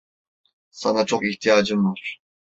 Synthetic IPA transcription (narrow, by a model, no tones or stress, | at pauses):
sanat͡ʃʰokiçt̪ʰijaːd͡ʒɯmvaɾ̥